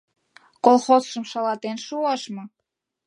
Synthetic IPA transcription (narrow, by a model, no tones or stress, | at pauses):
kolxozʃəmʃɑlɑt̪enʃuɑʃmɤ̆